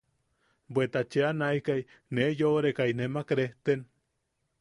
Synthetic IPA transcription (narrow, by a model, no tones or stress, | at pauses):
bwet̪at͡ʃeanajkaj | nejoɾekajnemakɾeht̪en